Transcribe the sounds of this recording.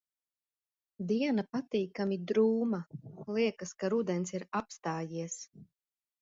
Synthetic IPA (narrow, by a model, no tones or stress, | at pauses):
d̪iɛnapat̪iːkamid̪ɾuːmalˠiɛkaskaɾud̪ɛnsiɾapst̪aːjiɛs